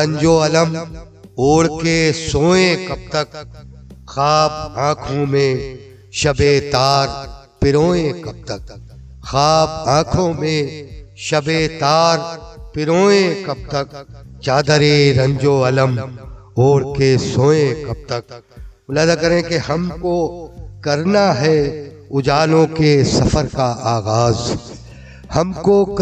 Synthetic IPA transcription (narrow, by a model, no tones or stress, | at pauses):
ɐ̃ɲd͡ʒoɐləm | oːɽkesõːẽkɐb̚t̪ɐk | xaːb̚ãːkʰõmẽ | ʃɐbet̪aːɾ | pɪɾoːẽkɐb̚t̪ək̚ | xaːb̚ãːkʰõmẽʃɐbet̪aːɾpɪɾoːẽkɐb̚t̪ɐkt͡ʃaːd̪əɾeɾɐ̃ɲd͡ʒoɐləmoːɽkesõːẽkɐb̚t̪ɐk̚mʊlaːzakɐɾẽkeɦɐmkokɐɾnaɦɛ | ʊd͡ʒaːlõkesɐfəɾkaʔaːɣaːz | hɐmkok